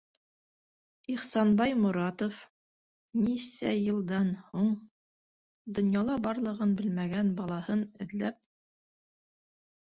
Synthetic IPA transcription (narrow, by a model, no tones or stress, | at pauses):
iχsɑnbɑjmuɾɑt̪of | nisæjɤ̆lˠd̪ɑnhuɴ | d̪ŏnjɑlˠɑbɑɾlˠɤ̆ʁɤnbɘlmæɡænbɑlˠɑhɤnɘ̆ðlæp̚